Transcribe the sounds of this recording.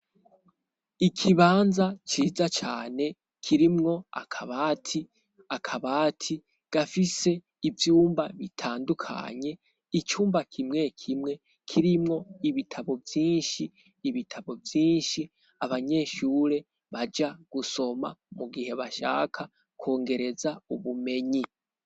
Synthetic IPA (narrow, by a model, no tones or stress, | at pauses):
ikʰiβaːnzat͡ʃiːzat͡ʃa̰ːne̞ | kʰiɾimŋo̞a̰kʰaβaːtʰi | akʰaβaːtʰi | ɡ̥afise̞ | ivjuːmbaβitʰaːndukʰa̰ɲe̞ | it͡ʃuːmbakʰimŋe̞kʰimŋe̞ | kʰiɾimŋo̞iβitʰaβo̞vjiːnʃiː | βitʰaβo̞vjiːnʃi | aβaɲe̞ːʃuːɾe̞ | βad͡ʒaɡ̥uso̞ma̰muɡihe̞βaʃa̰ːkʰa | kwo̞ːŋɡe̞ɾe̞zauβume̞ɲi